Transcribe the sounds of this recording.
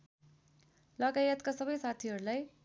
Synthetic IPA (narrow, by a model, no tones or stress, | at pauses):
lʌɡajʌt̪kasʌbʌjsat̪ʰiɦʌɾulaj